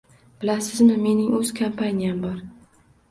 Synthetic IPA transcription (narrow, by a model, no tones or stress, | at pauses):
b̥ɪlasɪzmɪme̞nɪŋɵz̥kʰampʰanijambɒɾ